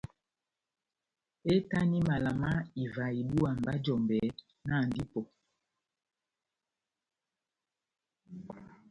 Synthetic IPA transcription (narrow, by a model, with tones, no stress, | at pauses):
e˦ta˦ni˦ma˨la˨ma˦i˨va˨i˨ɓu˦a˨m˨ba˦d͡ʒɔ˨mbɛ˨ | na˦˨ndi˦pɔ˨